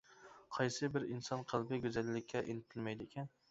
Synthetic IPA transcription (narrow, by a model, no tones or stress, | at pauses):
qʰɑjsɨbɪɾinsɑnqʰəlˠbɪɡʲøzælːɪkʲʰːɛʔenɪt̪ʰɪlmɛjd̪ɪekʲɛn